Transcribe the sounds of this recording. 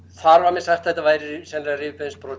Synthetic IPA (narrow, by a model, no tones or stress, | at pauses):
θaɾvaɾmɛsaj̥xt̪θɛht̪avaːjɾɪɪsɛnɾarɪːvɪpʰɛðnspɾɔː